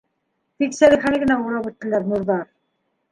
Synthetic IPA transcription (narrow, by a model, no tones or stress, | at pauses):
t̪iksæliχænɘɡɘ̆næuɾˠɑpɘ̆t̪ːɘ̆læɾnuɾðɑɾ